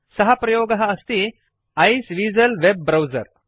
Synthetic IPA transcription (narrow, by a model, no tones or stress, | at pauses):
sɐɦɐpɾɐjoːɡɐɦɐːst̪i | ɐjsʋiːd͡zɐlʋebːɾɐwzɐ̰ɾ